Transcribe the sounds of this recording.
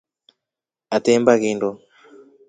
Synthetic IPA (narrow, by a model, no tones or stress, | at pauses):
atembaɣindɔ